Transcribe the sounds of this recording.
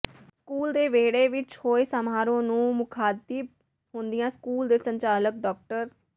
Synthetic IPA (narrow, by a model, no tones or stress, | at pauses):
skuːld̪eːʋeːɽeːʋɪt͡ʃhoːesəmaːɾõːnũːmʊkʰaːt̪ib̚ | ɦʊ̃nd̪ɪjãːskuːld̪eːsəɲt͡ʃaːlək̚ɖɔːk̚ʈəɾ